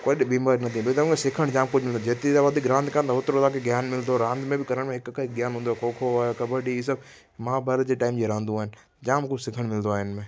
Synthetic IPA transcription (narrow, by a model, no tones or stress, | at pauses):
kɐɗɪbiːmaːɾinɐt̪ʰĩbɐt̪ɐũkesɪkʰəɽ̃d͡ʑãːmkʊd͡ʑʱmɪld̪od͡ʑeːt̪et̪aʋɐd̪ʱɪkɾãːnd̪kaːnt̪aɦʊt̪ɾot̪aːkʰeɡjaːnmɪld̪oɾãːnd̪mẽbɪkɐɾəɽ̃mẽɦɪkkʰɪkɡjaːnɦũːnd̪oaːkʰoːkʰoaːkɐbəɖiiːs̬əb | mãːbʱaːɾət̪d͡ʑeːʈaːɪmd͡ʑeːɾãːnd̪ũaːɦɪnɪ̆ | d͡ʑãːmkʊsɪkʰəɽ̃mɪlnd̪oaːɦɪnmẽ